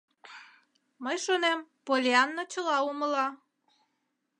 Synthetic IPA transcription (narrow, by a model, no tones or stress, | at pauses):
məjʃonempolʲeɑnːot͡ɕəlɑuməlɑ